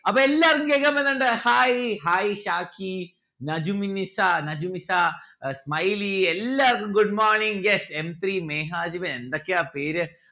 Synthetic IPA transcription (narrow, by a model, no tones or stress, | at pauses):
ɐpɐelːaːɾunɡeɡɐmenɐɳɖɐhaːjiɦaːjiʃaːkʰi | nɐd͡ʒuminisanɐd͡ʒumisa | smɐjlielːaɾɡuɖmaːɾniŋɡjesemt̪ɾiːmeːɦaːd͡ʒiʋɐnend̪ɐkːeaːpeːɾɨ